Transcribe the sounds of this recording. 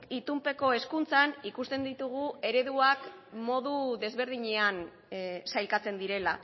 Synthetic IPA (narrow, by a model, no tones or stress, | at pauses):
it̪umpe̞ko̞e̞skunt͡sanikust̪e̞nd̪it̪uɣ̞ue̞ɾe̞ðuakmo̞ðuðe̞zβe̞ɾðiɲe̞an | sajlkat͡se̞nd̪iɾe̞la